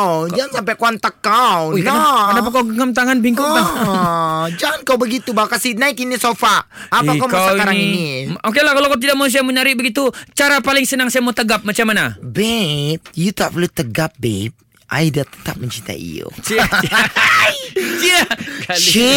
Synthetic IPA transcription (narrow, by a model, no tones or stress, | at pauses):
d͡ʒaŋansampɛkoant̪əkawnakənap̬akawɡəŋəmt̪aŋanbiŋkʊŋla | d͡ʒaŋankawbəɡit̪ubakasinaɪt̪inisofaː | pakamkaswkaɾaniŋiniok̬elahkalokat̪̬idaʔ̚mas̬ajaməɲaɾɪʔ̚bəɡit̪̬ut͡ʃaɾapalɪŋsənaŋsajamat̪əɡap̚mat͡ʃamːanabɛt̪̚jut̪apərlut̪əɡap̚bɛp̚ | ʔa̰idat̪ə̥t̪ap̚məɲt͡ʃint̪a̰ḭo̰t͡ʃ | akai